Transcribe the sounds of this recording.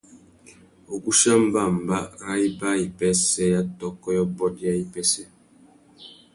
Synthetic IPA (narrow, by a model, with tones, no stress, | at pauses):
o˨ɡu˦ʃa˦m̩˦ba˦˨m̩˨ba˦ŋa˦i˦ba˦i˨pɛ˦sɛ˦ja˦tɔ˦kːɔ˦jɔ˦bɔ˦dja˦i˦pɛ˦sɛ˦